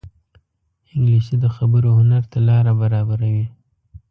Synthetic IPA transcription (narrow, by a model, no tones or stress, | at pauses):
ɪŋɡlisid̪əxabəɾohʊnaɾt̪alɑɾabaɾɑbaɾawi